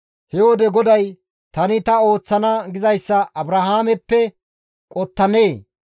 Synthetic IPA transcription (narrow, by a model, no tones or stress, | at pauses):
hɛwɔd̪ɛɡɔd̪ɐj | t̪ɐnɪt̪ɐo̞ːt͡sːɐnɐɡɪzɐjsːɐʔɐbɾaɦaːmɛpːɛ | kʼɔt̪ːɐneː